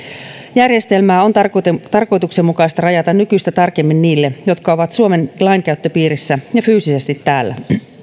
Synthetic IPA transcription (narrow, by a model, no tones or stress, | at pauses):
jærje̞st̪e̞lmæːo̞nt̪t̪ɑrko̞jt̪ukse̞mːukɑist̪ɑrɑjɑt̪ɑnnykyst̪æt̪ɑrke̞mːinniːlːejo̞t̪kɑoʋɑt̪suome̞nlɑiŋkæyt̪ːøpiːɾisːæjɑfyːsise̞st̪it̪ːæːlːæ̰